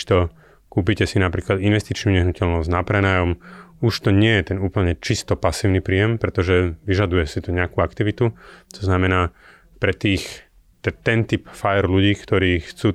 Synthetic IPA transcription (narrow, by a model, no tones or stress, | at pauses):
ʃt̪ɔ | kuːp̬icɛsinapɾiːklad̪inʋɛst̪it͡ʃnuɲɛɦnucɛʎnɔzɟnapɾɛnajɔmuʃt̪ɔɲɪɛjɛt̪ɛnuːpl̩ɲɛt͡ʃist̪ɔpasiːʊnipɾiːjɛmpɾɛt̪ɔʒɛʋiʒad̪ujɛsit̪ɔɲɛakuakt̪iʋit̪ut̪ɔznamɛnaː | pɾɛt̪iːx | t̪ɛt̪ɛnt̪ipfajɛɾluɟiːkt̪ɔɾiːxt͡suː